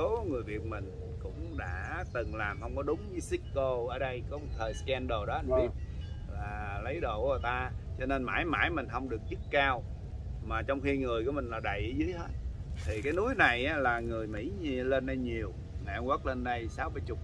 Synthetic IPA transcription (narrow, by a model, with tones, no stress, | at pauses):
o˨˦ŋɨ˨˩əjvḭ˨˩ət̚mï˨˩ŋ̟ | kʊ̰˧˥ŋ͡mɗa̰ː˧˥t̪ɨ˨˩ŋlaː˨˩mhə˧wŋ͡mkɔ˨˦ɗʊ˨˦ŋ͡mɲɨ˨˧˦si˦˥t̚ko˧ʔəː˧˩ɗə˧jkɔ˨˦mo˨˩t̚t̪ʰəː˨˩jskɛ˧nɗo˨˩ɗɔ˨˦a˧nvi˧p̚vaː˨˩lə˨˦jɗo˧˨˩ʔə˨˩t̪aː˧t͡ɕɔ˧ne˧nma̰ː˧˩˦jma̰ː˧˩jmï˨˩ŋ̟ɦə˧wŋ͡mɗɨ˨˩ək̚t͡ɕɨ˦˥k̚kaː˧w | maː˨˩t͡ɕɔ˧wŋ͡mxi˧ŋɨ˨˩əku˧˩mï˨˩ŋlaː˨˩ɗə̰˧˨jʔzɨ˨˦jɦe˦˥t̚ | t̪ʰi˨˩kaː˨˦jnu˨˦əjna˨˩jʔaː˨˦laː˨˩ŋɨ˨˩əjmḭ˧˥ɲ˧le˧nɗa˧jɲi˨˩əw | ŋa˨˩ʔa˧ŋwə˦˥k̚le˧nːə˧jsaː˨˦wɓə˧jt͡ɕʊ˦˩k͡p̚